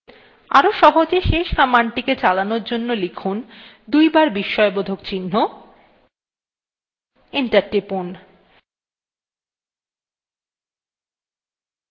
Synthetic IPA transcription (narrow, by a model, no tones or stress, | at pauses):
a̰ɾoʃɔɦod͡ʑeʃeʃamanʈiket͡ɕalanoɾd͡ʑonːolikʰun | d̪ujbaɾbiʃːɔebod̪ʱokt͡ɕinːo | iɳʈaɾʈipun